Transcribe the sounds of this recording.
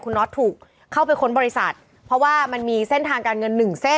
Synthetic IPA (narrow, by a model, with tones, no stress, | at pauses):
kʰu˧nːɔː˦˥t̪ʰːuː˨˩k̚ʰː | a˥˩wpa˧jkʰo˦˥nbɔː˧ɾi˦˥sa˨˩t̪̚ | pʰɾɔ˦˥waː˥˩ma˧nmiː˧se˥˩nt̪ʰaː˧ŋkaː˧nŋɤ˧nːɯ˨˩ŋse˥˩